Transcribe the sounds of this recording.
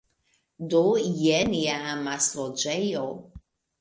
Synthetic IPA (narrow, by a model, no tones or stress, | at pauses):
d̪ojɛniamaslod͡ʒɛjo